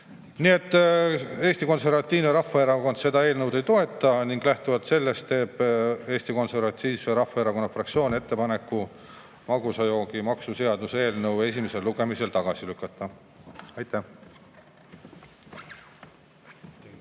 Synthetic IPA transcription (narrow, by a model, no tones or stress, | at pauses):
nie̞t̪ːˑe̞ːst̪iko̞nse̞rvɑt̪ʲˑːiːvneɾɑfːɑeɾɑko̞nd̪̥se̞d̪ɑe̞ːlnɤwd̪e̞jt̪o̞e̞t̪ːˑɑniŋɡ̥læht̪uvɑt̪se̞lːe̞st̪ːe̞ːb̥e̞ːsʲt̪iko̞nse̞rvɑt̪ːiːmeɾɑfɑeɾɑko̞nːɑfrɑkt̪sio̞ːnʲe̞t̪ːe̞pɑne̞kːˑu | mɑɡusɑjo̞ːɡimɑksuse̞ɑd̪̥use̞ːlnɤwe̞sʲimese̞lːuɡ̥e̞mise̞lt̪ɑɡ̥ɑsilykːˑɑt̪ːˑɑ | ɑjt̪ˑːæh